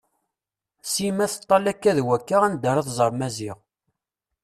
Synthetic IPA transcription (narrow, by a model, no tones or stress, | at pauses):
simæθət̪ˤːɑlækːæðwækːaʁænd̪əɾˤɑθzˤəɾˤmæziʁ